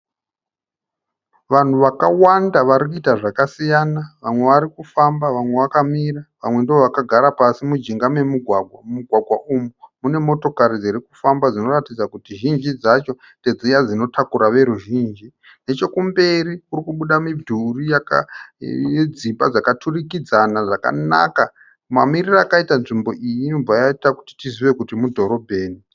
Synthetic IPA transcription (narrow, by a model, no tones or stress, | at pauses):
ʋan̤uʋakawandaʋaɾikuitaʐakasijanaʋamwe̞ʋaɾikufambaʋamwe̞ʋakamiraʋamwe̞ndooʋakaɡʱaɾapasimud͡ʒiŋɡame̞muɡʱwaɡʱwamumuɡʱwaɡʱwaʔumumune̞mo̞to̞kaɾid͡ziɾikufambad͡zino̞ratid͡zakutiʒind͡ʒid͡zat͡ʃo̞ | nted͡zijad͡zino̞tʰakuɾaʋe̞ɾuʒiːnd͡ʒi | ne̞t͡ʃo̞kumbe̞ɾiurikuɓuɗamidʱurijaka̰jed͡zibad͡zakatʰurikid͡zanaʐaka̰na̰ka | mamiriraːkaitanʐimbo̞ʔijimbajaitaku̥ti̥tiziʋe̞kutimudʱo̞ɾo̞bʱe̞ːni